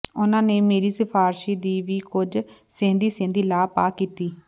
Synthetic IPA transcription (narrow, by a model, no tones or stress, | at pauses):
ʊnãːneːmeːɾiːsəpʰaːɾʃiːd̪iːʋiːkʊd͡ʒsẽːnd̪iːsẽːnd̪iːlaːpaːkiːt̪iː